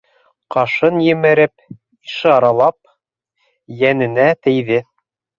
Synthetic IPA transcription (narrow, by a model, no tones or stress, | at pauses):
qɑʃɤnjɘ̆mɘ̆ɾɘp | iʃɑɑɾɑlˠɑp̚ | jænɘ̆næt̪ɘ̆jðɘ